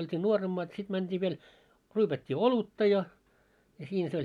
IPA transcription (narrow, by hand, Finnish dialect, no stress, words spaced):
oltʲiː nuoremːɑːt sit mæntʲiː ʋiel ryːpætʲːiː olutːɑ jɑ jɑ siːnæ̆ se olʲ